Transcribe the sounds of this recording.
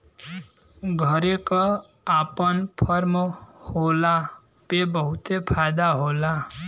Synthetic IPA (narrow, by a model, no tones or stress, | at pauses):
ɡʱʌɾekɔ | apʌnpʰʌɾmʌhola | pebʌɦut̪epʰajd̪aɦola